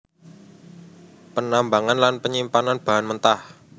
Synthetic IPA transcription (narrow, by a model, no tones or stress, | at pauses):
pənambaŋanlanpəɲimpananb̥a̤ɦanmənt̪ah